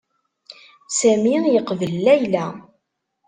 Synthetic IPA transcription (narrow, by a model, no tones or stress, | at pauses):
sæmijəqvəlːæjlæ